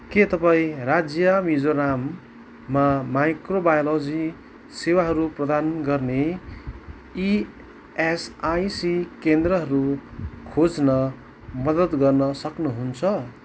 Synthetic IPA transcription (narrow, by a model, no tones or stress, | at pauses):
ket̪ʌpaĩrad͡zjʌmid͡zoɾamː | amajkrobajolod͡zi | sewaɦʌɾuprʌd̪anɡʌrne | i | esajsikend̪rʌɦʌɾukʰod͡znʌ | mʌd̪ʌd̪ɡʌrnʌsʌknuɦunt͡sʰʌ